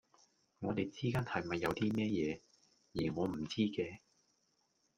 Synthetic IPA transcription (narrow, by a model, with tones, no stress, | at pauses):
ŋɔː˨˧t̪e˨jt͡siː˥kaː˥nhɐ˨jmɐ˨˩jːɐ˨˧wt̪iː˥mɛː˥jɛː˨˧ | jiː˨˩ŋɔː˨˧m̩˨˩t͡siː˥kɛː˧